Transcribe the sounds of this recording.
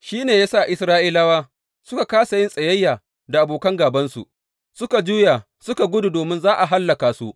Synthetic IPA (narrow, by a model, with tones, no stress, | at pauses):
ʃiː˦neː˨jaː˦sa˦˨ʔɪ˦sɾaː˦ʔiː˦la˦waː˦ | sʊ˦ka˨kaː˦sa˨jɪ˦nsʼɐ˨jɐ˦jːaː˨ | da˨ʔa˨boː˨kɐ˦ŋɡaː˨bɐ˦nsṵ˨ʔ | sʊ˦ka˨d͡ʒuː˦ja˨ | sʊ˦ka˨ɡʷʊ˦du˨doː˨mɪ˦nzaː˦ʔa˨ɦa˦lːɐ˨kaː˨su˦